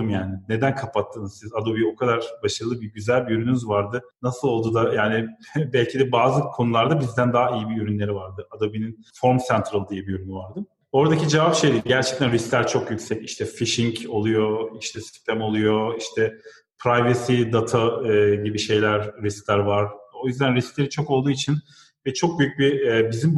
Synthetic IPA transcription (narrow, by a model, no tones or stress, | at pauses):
ɯmjaːnɪne̞d̪ænkʰapʰat̪ʰːɯːnɯzsizad̪o̞bio̞kʰad̪aɾbaʃaɾɯlˠɯbiɟyzælʲbiyɾynynyzvaɾd̪ɯ | nasɯlˠo̞lˠd̪uːd̪ajaːnɪbɛlʲcʰid̪ɛbaːzɯkʰo̞nulˠaɾd̪abizd̪ænd̪aːijibiyɾynlʲe̞ɾivaɾd̪ɯad̪o̞bininfo̞ɾmsɛnt̪ʰɾalˠd̪ijɛbijyɾynyvaɾd̪ɯm | o̞ɾd̪acid͡ʒevapʃe̞jd̪iɟæɾt͡ʃʰɛ̥c̚t̪ʰænɾisklʲæɾt͡ʃʰo̞kjycsɛciʃt̪ʰɛfiʃiɲco̞lˠujo̞iʃt̪ʰɛsi̥st̪ʰæmo̞lˠujo̞iʃt̪ʰɛ | pʰɾajvasid̪at̪ʰaɯːɟibiʃe̞jlʲæɾːisklʲæɾvaɾo̞jyzd̪ænɾisklʲe̞ɾit͡ʃʰo̞ko̞lˠd̪uːit͡ʃʰin | vɛt͡ʃʰo̞k̚byjyc̚bibizim